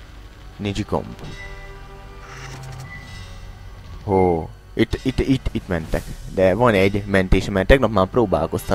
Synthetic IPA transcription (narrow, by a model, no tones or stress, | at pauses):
nid͡ʒiko̰mp | ho | it̪ːit̪ːit̪ːit̪mɛnt̪ɛkd̪ɛvɒnɛɟmɛnt̪eːʃɛmɛt̪ɛɡnɒpmaːpɾoːba̰ːlko̞st̪ɒ